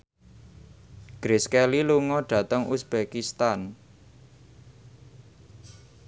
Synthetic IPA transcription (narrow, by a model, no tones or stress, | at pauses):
ɡ̥ɾeskɛliluŋɔɖ̥ä̤t̪əŋʔusb̥ekist̪an